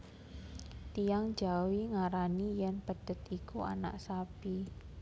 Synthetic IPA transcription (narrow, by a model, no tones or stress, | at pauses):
t̪ijaŋ̥d͡ʒawiŋaɾanijɛnpəd̪̥ə̤t̪ikua̰na̰ʔsab̥i